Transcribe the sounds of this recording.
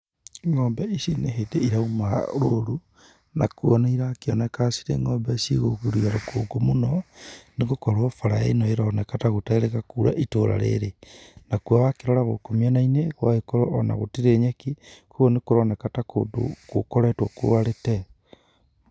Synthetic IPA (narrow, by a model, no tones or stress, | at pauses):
ŋɔːmbɛisineɦedeiɾaumaɾoɾu | nakuɔnaiɾakeɔnekasi̥ɾḛŋɔːmbɛsḭɣoɣuɾiaɾokoɡomunɔneɣokɔɾwɔfaɾaenɔeɾɔnekataɣoteɾeɣakuɾa̰ʔitoɾa̰ɾḛɾenakwawakeɾɔɾaɣo̰komianaineɣwaekoɾɔʔɔna̰ɣotiɾeɲekikoɣonekoɾɔnekatakodo̰ko̰kɔɾetwɔko̰waɾete